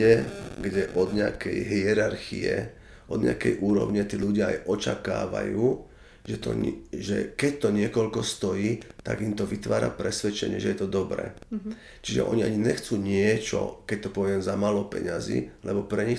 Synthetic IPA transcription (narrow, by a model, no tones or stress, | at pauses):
ɛɡɟɛʔɔd̪ɲɪakɛjɦiɛɾaɾxiɛ | ʔɔd̪ɲɪ̰akɛjʔuːɾɔ̰ʊɲɛt̪iːʎuɟɪaajʔɔt͡ʃakaːʋa̰juː | ʒɛt̪ɔ̰ʒɛ̰kɛc̚t̪ɔɲɪɛkɔʎkɔst̪ɔjiːt̪a̰ɡimt̪ɔʋit̪ʋaːɾa̰pɾɛsʋɛt͡ʃɛɲɪɛʒɛjɛt̪ɔd̪ɔbɾɛ̰ː | t͡ʃiʒɛ̰ʔɔɲiaɲiɲɛxt͡suːɲɪɛt͡ʃɔ̰kɛc̚t̪ɔpɔʋɪɛmzamaːlɔpɛɲazḭːlɛbɔpɾɛɲi